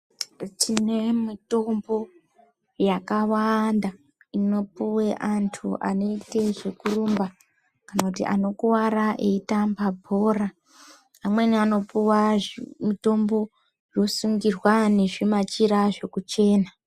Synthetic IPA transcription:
tine̞mito̞mbo̞ | jakawanda | ino̞puweʔantʰuʔa̰no̞ite̞ʐe̞kurumba | kanakutḭʔano̞kuwaɾaʔeitambabʱo̞ːra | amwe̞niano̞puwamito̞mbo̞ | jo̞suŋɡirwane̞ʐimat͡ʃiɾaʐe̞kut͡ʃe̞ːna

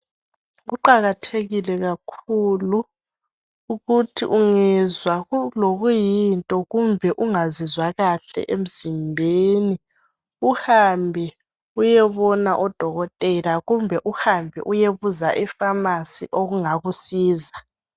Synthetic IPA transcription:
ɣuǃaɣatʰeɣilɛɣakʰulu | uɣutʰḭʔuŋɛzwaɣuloɣujintʼɔɣumbʱɛʔuŋazizwaɣaɬɛ̰ʔem̩z̥imbʱeːni | uhambʱɛ | ujɛβɔnaʔɔd̥ʱɔɣɔtʼɛlaɣumbʱɛʔuhambʱɛ̰ʔujeβuzaʔifamasḭʔoɣuŋaɣusiːza

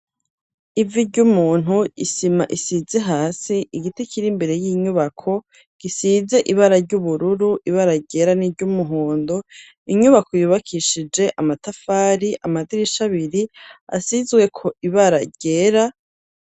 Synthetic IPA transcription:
iviɟumuːn̥ɦuisima̰ʔisizeɦaːsiʔiɡitecʰiɾimbeɾe̞jiɲuβakʰo̞ | ɡ̥isize̞ʔiβaɾaɾɟuβuɾuɾuʔiβaɾaɟe̞ːɾaniɾɟumuɦoːndo̞ | iɲuβakojuːβakʰiʃid͡ʒe̞ʔamatafaːɾiʔamadiɾiʃaβiɾia̰sizɡwe̞kʰo̞ʔiβaɾaɟe̞ːɾa

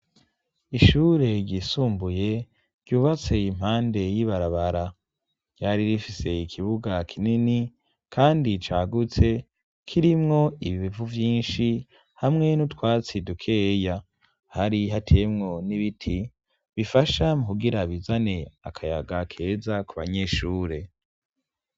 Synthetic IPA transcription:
iʃuːɾe̞ɾɟiːsuːmbuje̞ | ɾɟuːβat͡se̞im̥haːnde̞jiβaɾaβaɾa | ɟ̥aɾiɾifise̞ikʰiβuɡakʰinini | kʰaːndit͡ʃaːɡut͡se̞ | kʰiɾimŋo̞iβiβivuvjiːnʃi | hamŋe̞nutwaːt͡sidukʰe̞ːja | haɾiɦatʰe̞ːmŋo̞niβitʰi | βifaʃamukuɡiɾaβizane̞a̰kʰaja̰ɡakʰe̞ːzakuβa̰ɲe̞ːʃuːɾe̞

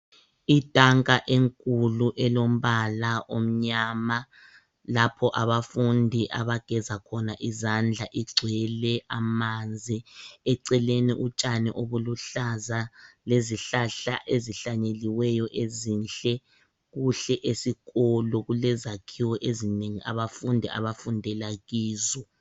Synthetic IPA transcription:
id̥ʱʼaŋkʼaʔeŋkʼuluʔɛlom̩βalaʔom̩ɲaːma | lapʰɔʔaβafundʱiʔaβaɡ̥ʱɛzakʰɔnaʔizand͡ɮʱaʔiɡ͡ǀʱwɛlɛʔamand͡zʱiɛǀɛleniʔut͡ʃʼanɛʔoβuluɬazaleziɬaɬaʔeziɬaɲeliwɛjɔʔezinɬɛ | ɣuɬɛʔesiɣɔlɔɣulɛzakʰiwɔʔezineŋiʔa̰βafundʱiʔa̰βafundʱɛlaɣiːzɔ

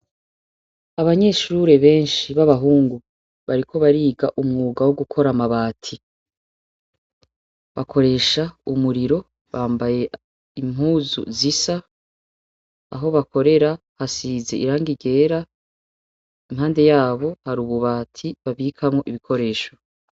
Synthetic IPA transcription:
aβaɲe̞ʃuɾe̞βe̞ːnʃiβaβaɦuːŋɡu | βaɾikʰo̞βaɾiːɡaʔumŋuːɡawoɡukʰo̞ɾamaβaːtʰi | βakʰo̞ɾe̞ːʃaumuɾiɾo̞ | βaːmbaje̞ | im̥ɦuːzṵzisa | ɦo̞βako̞ɾe̞ɾa | hasize̞̰ʔiɾaːŋɡiɟe̞ːɾa | imɦaːnde̞jaːβo̞haɾuβuβaːtʰiβaβiːkʰamŋo̞ʔiβikʰo̞ɾe̞ːʃo̞

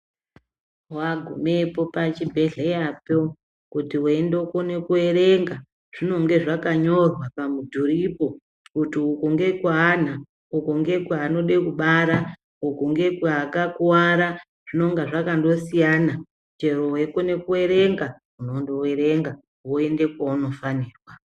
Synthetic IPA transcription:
waɡʱṵmepo̞pat͡ʃibʱe̞ɮejapo | kutiuendokone̞kueɾeŋɡa | ʐ̥ino̞ŋɡe̞ʐakaɲo̞rwapamudʱuripo̞ | kutiukuŋɡe̞kuan̤a | ukuŋɡe̞kwaːno̞ɗekuɓaɾa | ukuŋɡe̞kwaːkakuwaɾa | ʐ̥ino̞ŋɡaʐakando̞sijaːna | t͡ʃe̞rowe̞kone̞kue̞ɾe̞ŋɡa | uno̞ndowe̞ɾe̞ŋɡa | woe̞nde̞kwauno̞faniːrwa

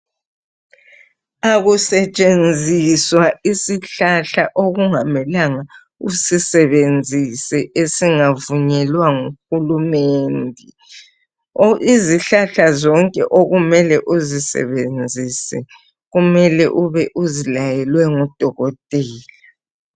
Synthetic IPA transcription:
aɣusɛt͡ʃʼend͡zʱiswaisiɬaɬaʔoɣuŋamɛlaŋa | usisɛβend͡zʱisɛʔesiŋavuɲɛlwaŋuxulumeːndʱi | ʔiziɬaɬazɔŋkʼɛ̰ʔoɣumɛlɛʔuzisɛ̰βend͡zʱisɛ | ɣumɛlɛ̰ʔuβɛʔuzilajɛlwɛŋud̥ʱɔɣɔtʼɛːla

